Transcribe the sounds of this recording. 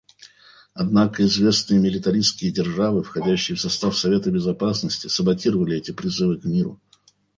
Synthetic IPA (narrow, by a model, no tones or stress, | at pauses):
ɐd̪nakəɪzvʲe̞snɨjəmʲɪlʲɪt̪ɐɾʲijskʲɪjədʲɪrʐavɨfxɐdʲæɕːɪjəfsɐst̪afsɐvʲe̞t̪əbʲɪzɐpasnəsʲtʲɪsəbɐtʲiɾəvəlʲɪɛtʲɪpɾʲɪzɨvɨkmʲiɾʊ̰